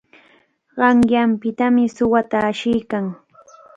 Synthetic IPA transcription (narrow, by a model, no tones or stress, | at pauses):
ɢɑŋjampɪt̪amɪsʊwat̪aːʃɪjkaŋ